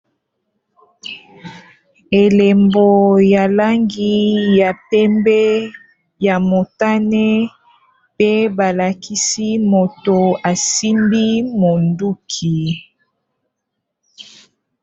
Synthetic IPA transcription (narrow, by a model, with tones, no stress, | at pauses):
e˨le˨mbo˨ja˨la˦ŋɡi˦ja˨pɛ˦mbɛ˦ | ja˨mo˨ta˦nɛ˦ | pe˦ba˨la˨kʰi˦si˦mo˨to˨a˨si˦mbi˦mo˨ndu˦kʰi˨